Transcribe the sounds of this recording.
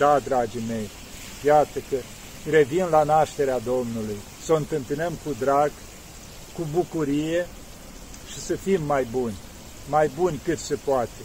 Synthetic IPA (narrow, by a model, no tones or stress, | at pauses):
d̪ad̪ɾad͡ʒime̞j | jat̪əkə | re̞vinlanaʃt̪e̞ɾead̪o̞mnuluj | soɨnt̪ɨmpinəmkud̪ɾaɡ | kubukuɾije̞ | ʃisəfimːajbunʲ | majbunʲkɨt̪se̞poat̪e̞